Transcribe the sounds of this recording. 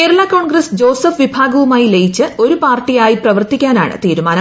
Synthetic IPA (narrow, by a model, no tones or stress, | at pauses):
ke̞ːɾɐɭaːko̞ːɳɡrɐsd͡ʑo̞ːsɐfʋibʱaːɡɐʋumaːjilejit͡ɕːɨo̞ɾupaːrʈːijaːjiprɐʋɐrt̪ikʲːaːna̰ːɳɨ̰t̪iːɾumaːn